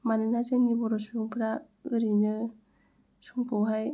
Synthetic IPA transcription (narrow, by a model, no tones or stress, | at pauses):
manɯnazennibɔɾɔsujuŋpʰɯɾa | ɯɾinɯ | suŋpʰɔwɦaj